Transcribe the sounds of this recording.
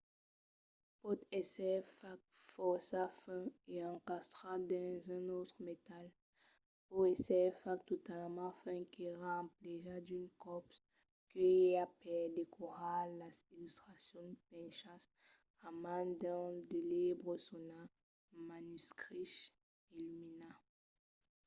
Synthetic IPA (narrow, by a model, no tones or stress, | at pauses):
pot̪ɛsɛfak̚ | fɔsafɛ̃eɑ̃kast̪ʁad̪ɑ̃zɛ̃not̪χəmet̪al | puesɛfak̚t̪ot̪almãafɛ̃kiʁɑ̃pleʒad̪ynkɔps | kəeapɛd̪ekʰoʁalasilyst̪χasjɔ̃d̪pɛ̃ʃas | amãd̪ɔ̃d̪əlebʁosona | manyskχiʃ | ilymina